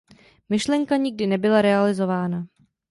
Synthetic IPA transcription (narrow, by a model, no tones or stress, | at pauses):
mɪʃlɛŋkaɲɪɡ̚dɪnɛbɪlaɾɛalɪzo̞vaːna